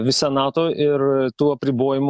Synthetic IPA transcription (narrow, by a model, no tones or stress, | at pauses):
ʋʲɪsʲɛnɑːt̪oːʔɪɾt̪uːɐpʲɾʲɪboːjɪm